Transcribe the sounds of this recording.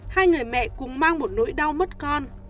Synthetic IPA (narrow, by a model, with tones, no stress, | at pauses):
haː˧jŋɨ˨˩əjmɛ̰˧˨kʊ˨˩ŋ͡mmaː˧ŋmo˨˩t̚nṵ˧˥jɗa˧wmə˦˥t̚kɔ˧n